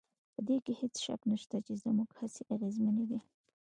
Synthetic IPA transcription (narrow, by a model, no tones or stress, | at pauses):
pəd̪ekehet͡sʃa̰knaʃt̪at͡ʃezmuɡhaseʔaɣezmaned̪i